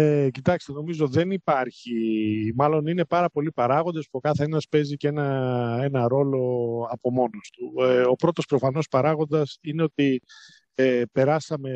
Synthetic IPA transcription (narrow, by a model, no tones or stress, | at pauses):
ecit̪ɐkst̪e̞no̞mizo̞ðe̞nipɐɾçimɐlo̞nine̞pɐɾɐpo̞lipɐɾɐɣo̞nd̪e̞spuo̞kɐθe̞nɐspe̞zicenɐe̞nɐɾo̞lo̞ɐpo̞mo̞nost̪uo̞pɾo̞t̪o̞spɾo̞fɐno̞spɐɾɐɣo̞nd̪ɐsine̞o̞t̪i | epe̞ɾɐsɐme̞